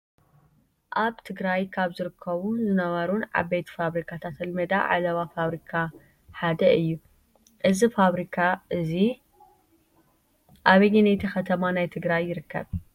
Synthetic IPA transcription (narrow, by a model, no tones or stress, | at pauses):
ʔaβt̪ʰɨɡɾajkʰaβzɨɾɨkʰːɐβunzɨnɐβɐɾunʕa̰bejt̪faβɾikʰat̪ʰat̪ɐlmɐd̪a̰ʕa̰lɐβafaβɾikʰa | ħad̪ɐʔɨjːu | ʔɨzifaβɾikʰaʔɨzi | ʔaβɐjinejt̪ʰixɐt̪ʰɐmanajt̪ʰɨɡɾajːɪɾɨkːɐ̰β